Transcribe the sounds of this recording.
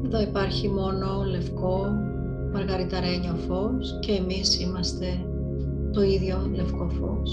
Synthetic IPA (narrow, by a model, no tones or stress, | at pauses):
ðɐipɐɾçimo̞no̞le̞fko̞ | meɾɣɐɾit̪ɐɾe̞ɲofo̞sce̞ːmisimɐst̪e̞ | t̪o̞iðʝo̞le̞fko̞fo̰s